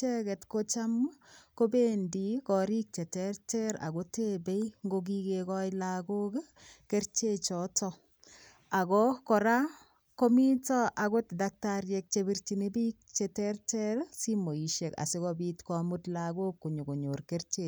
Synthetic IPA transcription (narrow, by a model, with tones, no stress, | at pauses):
e˦kɛ˨tko˦t͡ʃa˦mko˦bendikɔ˨ɾi˦k̚t͡ʃe˨tertɛɾa̰˨ko˦te˦be˦jŋɡok̬i˦kekɔjlaɡo˦k | ke˦ɾt͡ʃe˦t͡ʃɔtɔ | a˨kɔkɔ˨ɾa˦ | ko˦mi˦tɔ˦ʔa˨ɡo˦tdak̚taɾjek̚t͡ʃebi˦rt͡ʃi˨ne˦bi˦k̚t͡ʃetertɛɾsi˦mo˨i˨ʃe˨ka̰˨si˦kɔbitkɔ˨mu˦tlaɡo˦kːu˨ɲu˨ko˨ɲorke˦rt͡ʃe˨